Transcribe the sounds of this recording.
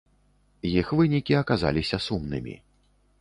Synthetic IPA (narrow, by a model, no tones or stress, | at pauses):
jixvɨnʲikʲiɐkaza̰lʲisʲɐsumnɨ̰mʲḭ